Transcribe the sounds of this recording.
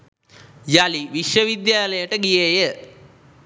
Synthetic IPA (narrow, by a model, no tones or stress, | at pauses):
jaliʋiʃjəʋid̪jaːləjəʈəɡijejə